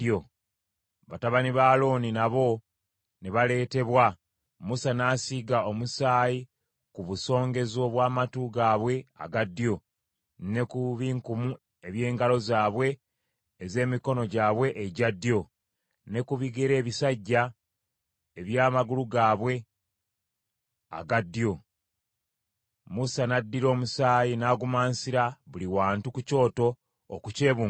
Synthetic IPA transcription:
o | βataβaniβaːlo̞ːninaβo̞ | neβale̞ːte̞βwa | musanaːsiːɡao̞musaːji | kuβuso̞ːŋɡe̞zo̞βwaːmatuɡaːβwe̞a̰ɡadːjo̞ | ne̞kuβiːŋkumu | e̞βje̞ːŋɡalo̞zaːβwe̞ː | ze̞ːmiko̞no̞ɟaːβwe̞ʔeɟadːjo̞ | ne̞kuβiɡeɾe̞ːβisaɟːa | eβjaːmaɡuluɡaːβwe̞ | a̰ɡadːijo̞ | musanadːiɾo̞ːmusaːjinaːɡumaːnsiɾaβuliwaːntukuco̞ːto̞̰ː | kuce̞ːβu

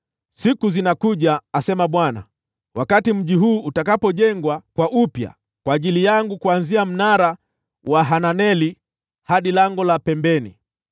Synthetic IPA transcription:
sikuzinakuʄaːsɛmaɓwana̰ | wakatim̩ʄiɦuːʔːtakapɔʄɛŋɡwakwaʔupja̰ | kwaːʄilijaŋɡukuanziam̩naɾa | waɦananɛli | haɗilaŋɡɔlapɛmbɛnḭ

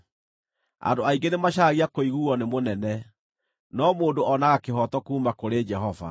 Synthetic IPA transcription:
a̰ndoaiŋɡenemaʃaːɣiakoiɣuɔnemonɛnɛ | nɔmoːndoɔnaɣakeɦɔtɔkuːmakoɾed͡ʒɛɦɔva̰

